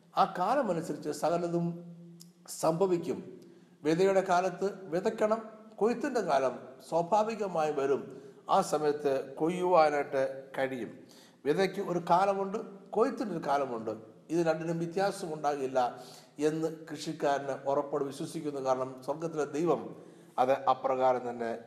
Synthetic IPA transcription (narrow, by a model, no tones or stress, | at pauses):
aːkaːlɐmɐnusɐɾit͡ɕːɨsɐɣɐlɐðum | sɐmbʱɐʋikʲːum | ʋed̪ɐjuɽe̞kaːlɐt̪ːɨʋiðɐkʲːɐɳɐmkojit̪ːindekaːlɐmswɐbʱaːʋiɣɐmaːjiʋɐɾumaːsɐmɐjɐt̪ːɨkojːuʋaːnaʈːɨkɐɻijṵm | ʋiðɐkʲːɨoɾukaːlɐmuɳɖɨkojit̪ːindoɾukaːlɐmuɳɖɨ | iðɨɾɐɳɖinumʋit̪jaːsɐmuɳɖaːɣɐilːɐ | e̞nːɨkrɨʂikʲːaːɾnɨʔorɐpːoɽuʋiɕwɐsikʲːunːɐkaːɾɐɳɐmswɐrɡɐt̪ːiled̪ejʋɐm | ɐðɨʔɐprɐɣaːɾɐmt̪ɐnːe̞